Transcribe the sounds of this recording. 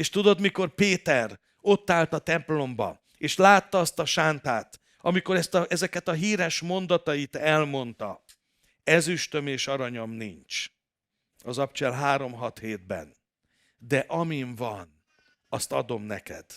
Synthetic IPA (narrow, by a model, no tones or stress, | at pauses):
eːʃt̪ud̪o̞d̪miko̞rpeːt̪ɛr | o̞t̪ːaːlt̪ɒt̪ɛmplo̞mbɒ̰ | eːʃlaːt̪ːɒɒst̪ɒʃaːnt̪aːt̪ | ɒmiko̞ɾɛst̪ɒʔɛzɛkɛt̪ɒɦiːɾɛʃmo̞nd̪ɒt̪ɒjit̪ɛlmo̞nt̪ɒ | ɛzyʃt̪ø̞meːʃɒɾɒɲo̞mnint͡ʃ | ɒzɒpt͡ʃɛlɦaːɾo̞mɦɒt̪heːd̪̚bɛ̰n | d̪ɛʔɒmiɱvɒn | ɒst̪ɒd̪o̞mnɛkɛ̰d̪̥